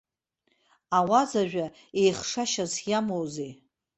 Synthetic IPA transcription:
awazaʒᶣa | ejχʂaʃazjamowzej

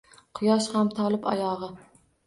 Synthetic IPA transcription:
qʰʊjɒʃhamt̪ʰɒlˠɪpɒ̰jɒʁɨ

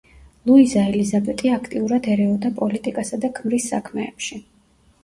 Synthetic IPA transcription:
lˠuizaɛlizabɛt̪ʼiakʰt̪ʼiuɾad̪ɛɾɛɔd̪apʼɔlit̪ʼikʼasad̪akʰmɾisːa̰kʰmɛːpʃi

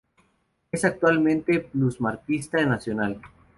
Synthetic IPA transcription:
esak̚t̪walmẽnt̪epluzmaɾkist̪aenasjonal

